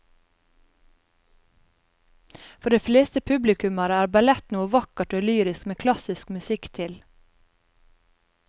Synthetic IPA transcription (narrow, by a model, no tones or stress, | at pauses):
fɔɖeːfleːst̪əpʰʉblɪkʉmɑɾəæːɾbɑlɛt̪nuːəʋɑkəʈoːlyːɾɪskmeːkʰlɑsɪskmʉsɪkt̪ʰɪl